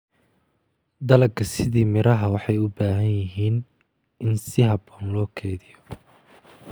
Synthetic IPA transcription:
d̪ɐlɐɡkʰɐsɪðiːmɪɾɐɦɐwɑħɑjʊbaːɦɐnjɪɦiːn | ʔɪnsɪɦɑbɔːnlɔːkʰɛːðɪjɔ

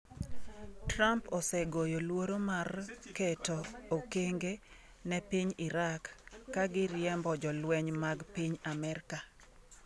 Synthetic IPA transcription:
trampɔsɛɡojolwoɾomarketoːkeŋɡe | nɛpiɲiɾakːaɡɪɾjɛmbɔd͡ʒɔlwɛɲmaɡpiɲamɛɾka

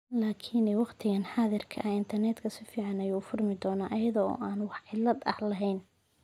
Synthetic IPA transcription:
laːkʰinɛwɑqt̪ʰɪɣɐnħɑːðɪrkʰɐ̰ʔɐɪnt̪ʰɐrnɛd̪kʰɐsɪfiːʕɑnɐjuːfʊrmɪd̪ɔːnaːʔɐjɐðɔɔ̰ːʔaːnwɑħʕɪlːɐd̪ɐ̰hlɐɦɛjn

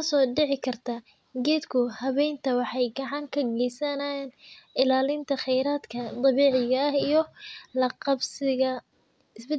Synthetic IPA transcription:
ɐsɔːɖɪʕɪkʰɐrt̪ʰa | ɡɛːd̪kʰʊhɐβɛjnt̪ʰɐwɑħɑjɡɑʕɑŋkʰɐɡɛjsɐnanɪlaːlɪnt̪ʰɐχɛjɾaːd̪kʰɐt̪ˤɑβiːʕɪɣɐɐhijɔlɐqɑbsɪɣɐ | ɪsbɛ

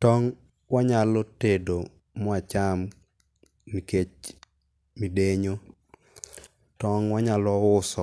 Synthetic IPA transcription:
tɔŋ | waɲalɔtedo | mɔat͡ʃam | niket͡ʃ | mideɲo | tɔŋwaɲalɔʊsɔ

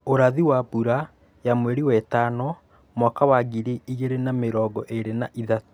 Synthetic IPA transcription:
oɾaðiwabuɾa | jamweɾiwɛtanɔ | mwakawaɡiɾiiɣeɾenameɾɔɡɔʔeɾenaʔiða

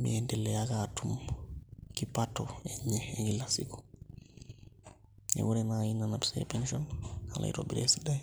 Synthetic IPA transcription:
mɛndɛlːɛjakatum | kipatɔɛɲɛɛŋɡilasḭkɔ̥ | ɛ̰wuɾɛnajinːanapsɛ̰pɛnʃɔnha̰la̰jtɔ̰bḭɾesidaj

